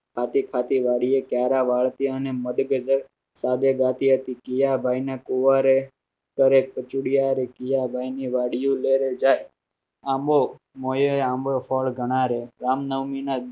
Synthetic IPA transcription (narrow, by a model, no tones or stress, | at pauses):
kʰat̪ikʰat̪iʋaɽiekjaːɾaʋaɭt̪iəneməd̪ɡəd͡ʒəɾ | sad̪eɡat̪iɦət̪ikijabʱainakuʋaɾe | kəɾek̚pət͡ʃuɽijaɾekijabʱainiʋaɽijũleɾed͡ʒaːj | ãmbo | mojoeãmbofʰɔːɭɡʱəɽ̃aːɾeɾaːmnəʋmina